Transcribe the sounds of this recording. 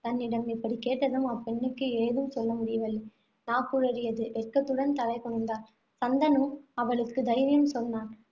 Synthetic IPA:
t̪ɐnːɪɽɐmɪpːɐɽikeːʈːɐðɯmɐpːɛɳːɯkːɯɛɻðɯmsɔlːɐmʊɽɪjɐʋɐlːi | naːkːuɾɐɾɪjɐðɯʔɛɾkːɐt̪ːɯɽɐnt̪ɐlɐɪkɔɳːɯnd̪aːl | sɐnd̪ɐnɯmɐʋɐɭɯkːɯd̪ɐɪʋɐjɯmsɔlːaːn

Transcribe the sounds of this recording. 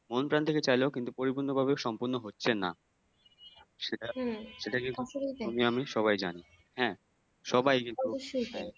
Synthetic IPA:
monpɾant̪ʰeket͡ɕajleokint̪upoɾibunːobʱabeʃɔmpoɾnːoɦotːɕʰena̰ | ʃeʈaʃeʈakint̪uumiamiʃɔβajd͡ʑani | hɛ̃ː | ʃɔbajkint̪uʃua

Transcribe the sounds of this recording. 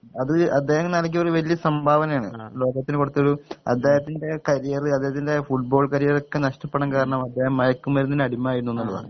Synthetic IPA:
ɐðɨɐd̪ːe̞ːhɐmnɐːlɐk̬ːioruʋɐlijɐsɐmbʱaːʋɐnɐjaːɳɨ̰lo̞ːɡɐt̪ːinɨkuɽut̪ːɐɭuɐ̰d̪ːeːɦɐt̪ːinde̞kɐɾijɐrɨɐd̪ːehɐt̪ːinde̞fuʈ̚bo̞ːɭkɐɾijɐro̞kːe̞nɐʂʈɐpːeɽɐnkaːɾɐɳɐmɐd̪ːe̞ːhɐmːɐjɐkːumʋɐɾunːinɐɽimːaːjiɾunuenːuɭːɐða̰ː

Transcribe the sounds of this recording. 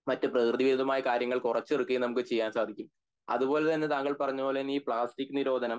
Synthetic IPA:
mɐtːɨprɐkrɨðiʋiɾuðɐmaːjɐkaːɾjɐŋːɐɭkurɐt͡ɕːerɨkːɨjinɐmukːɨt͡ɕe̞jːaːnsaːd̪ʱikʲːum | ɐ̰ðupo̞ːlet̪ɐnːet̪aːŋːɐɭpɐrɐɲːubo̞ːlenːiːpɭaːstikʲːɨniɾo̞ːd̪ʱɐnɐm

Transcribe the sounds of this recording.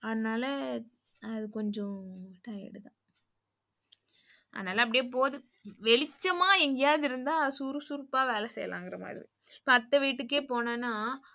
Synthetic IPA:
ɐðɐnaːlɐ | ɐðɯkɔɲd͡ʒɔ̃ʈaːjɪ̰ɽɯt̪ã̰ː | ʔɐ̰ðɐnaːlɐɐp̬ːɐɽɪjeːpoːðɯ | ʋɛɭɪt͡ʃːɐmaːɛŋɡɐjaːðɪɾɯnd̪aːsuːɾɯsuɾpːaːʋeːlɛsɛ̰jɐ̰lʔã̰ːŋɡɪɾɐma̰ːðɪɾḭ | ɪpːoːɐt̪ːɐʋiːʈːɯk̬ːeːpoːnaːnːaː

